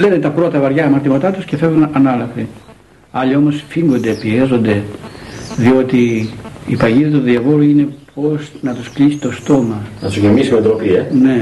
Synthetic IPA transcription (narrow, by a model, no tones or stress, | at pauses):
lenet̪ɐpɾo̞t̪ɐvɐɾʝɐɐmɐɾt̪imɐt̪ɐt̪usce̞fe̞vunɐnɐlɐfi | ɐʎio̞mo̞sfiŋɡo̞nd̪e̞piezo̞nd̪e̞ | ðio̞t̪iː | pɐʝiðɐt̪uðiɐvo̞ɾuine̞po̞snɐt̪usklisi̥t̪o̞st̪o̞mɐnɐsuʝemisumed̪ɾopiene̞